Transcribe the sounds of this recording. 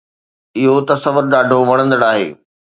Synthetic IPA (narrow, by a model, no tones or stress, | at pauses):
ɪɦot̪ɐsɐʋəɾɗaːɖʱoʋɐɽ̃ə̃nd̪əɽaːɦḛː